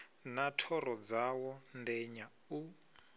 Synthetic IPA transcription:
natʰɔrɔd͡zawɔndɛɲa | u

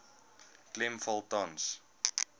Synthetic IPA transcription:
klɪ̃mfɔlˠtɔ̃ns

